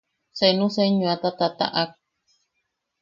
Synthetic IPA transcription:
senũseɲũat̪at̪at̪a̰ʔak̚

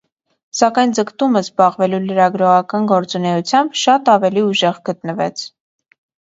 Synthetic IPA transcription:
sɑkɑjnd͡zəkt̪uməzbɑʁvɛluləɾɑɡɾɔʁɑkɑnɡɔɾt͡sunɛut͡sʰjɑmbʃɑt̪ɑvɛliuʒɛʁɡət̪nəvɛ̰t͡sʰ

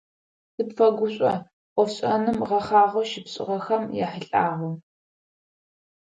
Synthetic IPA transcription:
sɨpfɐɡʷʊɕʷʼɐ | qʷɔfɕʼɐnɨmʁɐχɑːʁʷɐʃɪpɕʼɪ̰ʁɐxɐmja̰ħəɬʼaːʁu

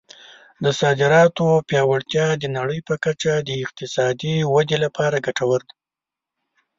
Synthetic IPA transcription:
d̪əsɑd̪ɪɾɑt̪opjɑwaɽt̪jɑd̪ənaɽəjpəkat͡ʃad̪əɪq̚t̪ɪsɑd̪iwad̪elapʰɑɾaɡaʈawəɾd̪i

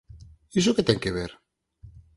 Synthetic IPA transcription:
isoket̪ɛŋkeβ̞eɾ

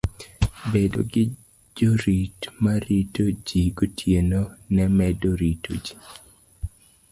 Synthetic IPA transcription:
bedo̰ɡɪ | d͡ʒoɾitmaɾitod͡ʒiɡotʰjenonɛmɛdoɾito̰d͡ʒi̥

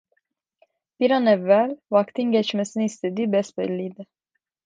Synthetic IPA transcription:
piɾɑnɛvɛlvɑkt̪iŋɡɛt͡ʃmɛsnist̪əd̪ibɛspɛ̰lːid̪ɛ

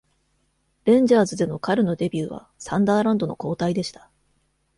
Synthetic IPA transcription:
ɾẽ̞ɲ̟d͡ʑaːzɨd̪e̞no̞kaɾɯ̟no̞d̪e̞bʲjɨːβa̰ | sãnd̪aːɾãnd̪o̞no̞̰ko̞ːt̪aid̪e̞ɕi̥t̪ḁ

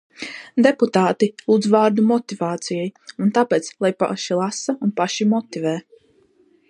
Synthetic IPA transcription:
d̪eput̪aːt̪ilˠuːd̪zvaːɾd̪umɔt̪ivaːt̪sijɛjunt̪apɛːt̪slˠajpa̰ʃilˠasaunpaʃimɔt̪ivɛː

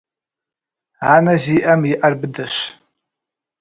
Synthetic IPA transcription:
aːnɐziːʔɐmjɪʔɐrbɨdɐɕ

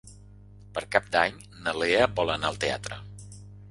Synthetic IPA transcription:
pəɾkap̚d̪aɲ | nəleəbɔlˠənaəlˠt̪ea̰t̪ɾə̰

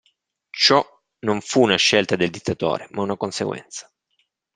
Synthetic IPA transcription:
t͡ʃɔ | noɱfuːnaʃːelt̪ad̪eld̪it̪ːat̪o̰ːɾemaunakonsḛɡwɛ̰nt̪sḁ

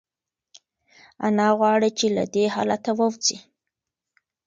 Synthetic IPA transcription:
a̰nɑɣwɑɽit͡ʃela̰d̪ehɑ̰lat̪awəwzi

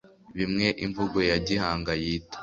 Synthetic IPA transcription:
βimŋe̞ʔiɱvuɡojaɟihaːŋɡajiːtḁ

